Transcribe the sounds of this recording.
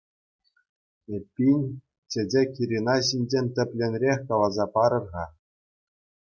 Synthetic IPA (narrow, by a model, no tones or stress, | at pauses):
ĕpʲːinʲ | t͡ɕɘ̆d͡ʑʲekʲiɾʲinɑɕinʲd͡ʑenʲt̪ʲɘ̆pʲlʲenʲrʲexʲkɑlˠɑzɑpɑɾɤ̆rʁɑ